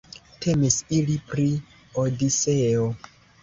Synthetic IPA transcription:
tʰe̞misilipɾi | odiseo

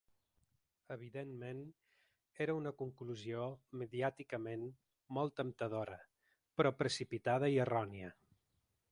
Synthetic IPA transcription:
əβ̞iðenmen | eɾəunəkuŋkluzioməðiat̪ikəmen | mɔlˠt̪əmt̪əð̞oɾə | pɾɔpɾəsipit̪að̞əiərɔniə

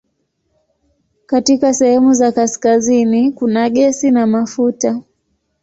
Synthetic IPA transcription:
katikasɛhɛmuzakaskazinikunaɠɛsinamafuta

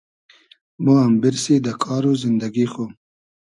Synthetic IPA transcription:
moambɪɾsid̪əkʰɑːɾuzɪnd̪aɡixom

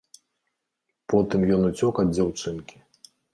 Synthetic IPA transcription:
pɔt̪ɨmjɔnut͡sʲɔkɐd̪ʲd͡zʲawt͡ʂɨnkʲi̥

